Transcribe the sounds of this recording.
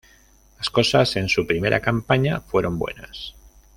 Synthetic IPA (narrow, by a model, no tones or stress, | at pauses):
laskosase̞nsupɾime̞ɾʔa̰kampaɲafwe̞ɾo̞mbwe̞̰nas